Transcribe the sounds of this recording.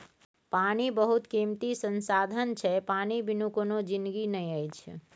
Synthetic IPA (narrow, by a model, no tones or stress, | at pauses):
pañibəɦut̪kimt̪isənsad̪ʱənt͡ʃʰɛpanibʱinũkonod͡ʒɪnɡinəj̃əjt͡ʃʰ